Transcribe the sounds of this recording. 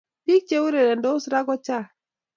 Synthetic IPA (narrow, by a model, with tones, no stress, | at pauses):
ti˦k̚t͡ʃe˦wu˦ɾe˨ɾɛ˨ndɔ˦sɾa˦ɡɔ˦t͡ʃa˦˨